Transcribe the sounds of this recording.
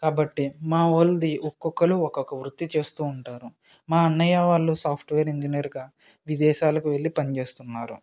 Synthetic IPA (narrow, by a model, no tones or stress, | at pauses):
kaːbɐʈːimaːold̪iʔɔkːɔkːɐluɔkokɐʋɾut̪ːit͡ʃe̞ːst̪uːɳʈaːɾu | maːɐnːɐjaʋaːɭːusaːpʰʈʋeːɾiɲd͡ʒinɐɾɡaː | ʋid̪ɛːʃaːlɐkuʋe̞ɭːipɐnit͡ʃe̞ːst̪unːaːɾṵ